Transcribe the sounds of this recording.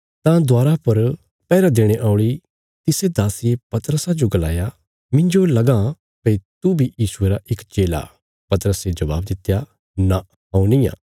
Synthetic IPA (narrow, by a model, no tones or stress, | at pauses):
t̪ãd̪aːɾapɐɾ | pɛːɾad̪eːɽ̃eʔaːʊ̃ɽi | t̪ɪsed̪aːsɪjepɐt̪ɾəsad͡ʒoɡɐla̰ːja | mɪ̃ɲd͡ʒolɐɡã | peit̪ubʱijiːsʊeːɾaʔɪkt͡ʃeːla̰ | pɐt̪əɾəsed͡ʒɐba̰ːbd̪ɪt̪ːja | na | ɦãːũnɪjã̰ː